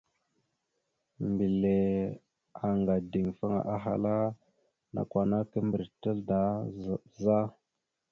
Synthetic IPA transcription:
mbi˨le˨ | a˨ŋɡa˨di˨ŋfa˦ŋa̰˨ʔa˦ɦa̰˨la˦ | na̰˨kwʷa˨na˦kə˦mbə˨ɾtə˦lda˦za˦

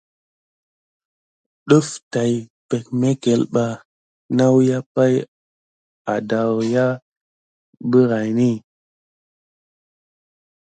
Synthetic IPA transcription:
ɗu˦fta˨jpe˨k̚me˦ke˨lɓa˨ | na˦wja˦pa˦j | a˨da˨wja˦ | bə˦ɾa˨jni˦˨

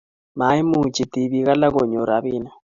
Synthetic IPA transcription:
ma˨˦i˦mu˦˨t͡ʃi˨t̪i˨βi˨ɣa˦la˦ɣo˨ɲo˨ɾa˨βi˦na˦

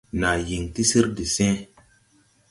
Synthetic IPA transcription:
na˨ji˨ŋti˦si˦ɾdi˨sɛ̃˦

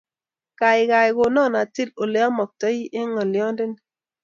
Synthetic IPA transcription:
ka˨ɪ˨ka˨ɪ˨ko˨nɔ˦˨na˨ti˦do˨le˨˦ɔ˦mɔ˨k̚tɔ˦i˦ʔe˦ŋɔ˨lɪ˨ɔ˦ndɪ˦n

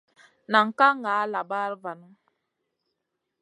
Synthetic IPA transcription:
na˨ŋ̩˨ka˦ŋaː˨˦la˨ba˦ɾva˨nu˦

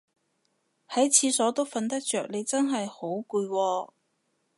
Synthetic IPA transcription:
hɐ˨˥jt͡sʰiː˨˧sɔː˨˥t̪o˥wfɐ˧nt̪ɐ˥k̚t͡ʃœː˨k̚ne˨˧jt͡sɐ˥nɦɐ˨jho˨˥wkuː˧jwɔː˧

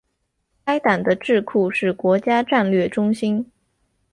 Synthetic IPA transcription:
ka˥ɪt̪a˨˩nd̪ə˦ʈ͡ʂɻ̩˥˧kʰu˥˧ʂɻ̩˥˩kwɔ˧˥t͡ɕja˥ʈ͡ʂa˥˧nlɥɛ˥˩ʈ͡ʂʊ˥ŋɕi˥n

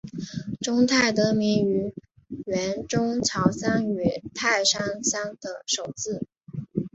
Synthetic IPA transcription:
ʈ͡ʂʊ˥ŋt̪ʰa˥˩ɪt̪ɤ˧˥mi˧˥ŋy˧˥ | ɥɛ˧˥nʈ͡ʂʊ˥ŋʈ͡ʂʰɑ˧˥ʊsa˥ŋy˨˩t̪ʰa˥˩ɪʂa˥ŋsa˥ŋd̪̥ə˨ʂo˨˩ʊt͡sɹ̩˥˩

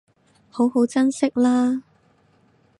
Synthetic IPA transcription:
ho˨˥who˨˥wt͡sɐ˥nsɪ˥k̚laː˥

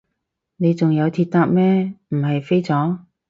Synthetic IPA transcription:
ne˨˧jt͡sʊ˨ŋjɐ˨˧wt̪ʰiː˧t̚t̪a˥k̚mɛː˥m̩˨˩ɦɐ˨jfe˥jt͡sɔː˨˥

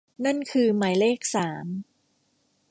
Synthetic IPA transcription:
na˥˩nkʰɯː˧ma˩˦jleː˥˩k̚saː˩˦m

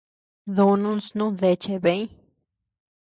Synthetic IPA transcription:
ðu˧nũ˦nsnũ˦ðe˧t͡ʃe˧be˧˦ɲ

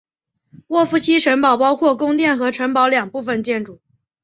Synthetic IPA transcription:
wɔ˥˩fu˧˥˩t͡ɕʰi˥ʂə˧˥npɑ˨˩ʊpɑ˥ʊkʰwɔ˥˩kʊ˥ŋt̪jɛ˥˩nxɤ˧˥ʈ͡ʂʰə˧˥npɑ˧˥ʊljɑ˨˩ŋpu˥˩fə˧nt͡ɕjɛ˥˩nʈ͡ʂu˨˩˦

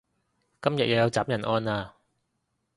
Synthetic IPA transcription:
kɐ˥mjɐ˨t̚jɐ˨˧wjɐ˨˧wt͡saː˨˥p̚jɐ˨˩nʔɔː˧naː˧

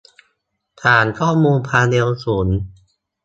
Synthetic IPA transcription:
t̪ʰaː˨˩˦nkʰɔː˥˩muː˧npʰaː˧de˧wsuː˩˦n

